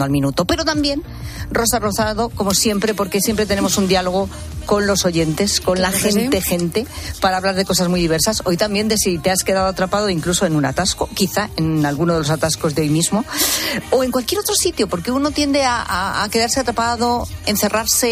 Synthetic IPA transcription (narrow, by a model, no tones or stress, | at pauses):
oalmĩnut̪o̞pe̞ɾo̞t̪ambje̞n | ro̞saro̞θaðo̞komo̞sje̞mpɾe̞po̞ɾke̞sje̞mpɾe̞t̪e̞ne̞mo̞sund̪ialo̞ɣ̞o̞ | ko̞nlo̞so̞ʝe̞nt̪e̞sko̞nlaxene̞xe̞nt̪e̞paɾaːβlaɾð̞e̞ko̞sazmujðiβe̞ɾsaso̞jt̪ambje̞nd̪e̞sit̪e̞aske̞ðaðoat̪ɾapaðo̞iŋkluso̞enuna̰t̪askokiθae̞nalɣunoð̞elosat̪asko̞zðeo̞jmizmo̞oe̞ŋkwalkjeɾot̪ɾo̞sit̪jo̞po̞ɾkeuno̞t̪je̞nd̪eaaa̰ke̞ðaɾse̞at̪ɾapað̞o̞en̟θe̞raɾse̞